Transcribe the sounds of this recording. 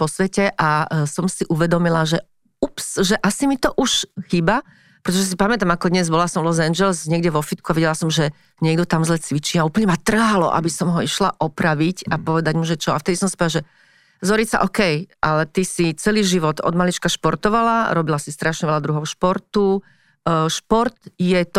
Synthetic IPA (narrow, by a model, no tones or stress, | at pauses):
pɔsʋɛcɛʔasɔmsiʔuʋɛd̪ɔmilaʒɛ | upsʒɛʔasimit̪ɔʔuʃxiːba | pɾɛt̪ɔʒɛs̬ipamɛt̪amakɔd̪ɲɛzbɔlasɔmlɔzɛnd͡ʒɛlzɲɛɡɟɛʋɔfit̪kuaʋiɟɛlasɔmʒɛ | ɲɛɡd̪ɔt̪amzlɛt͡sʋit͡ʃiːauːpl̩ɲɛmat̪r̩ɦalɔ̰ʔa̰bisɔmɦɔiʃlaʔɔpɾaʋicapɔʋɛd̪aɟmɔʒɛt͡ʃɔaft̪ɛd̪isɔmsi̥pɔaʒɛ | zɔɾisa̰ʔɔkɛjʔalɛt̪isit͡sɛliːʒiʋɔt̪ɔ̰d̪malit͡ʃkaʃpɔɾt̪ɔʋalaɾɔbilasist̪ɾaʃɲɛʋɛʎad̪ɾuɦɔʊʃpɔɾt̪u | ʃpɔɾt̪jɛt̪